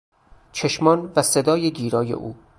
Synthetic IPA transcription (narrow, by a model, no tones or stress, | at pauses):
t͡ʃʰeʃmɒːnvæsed̪ɒːjeɡ̪iːɾɒːjḛʔṵː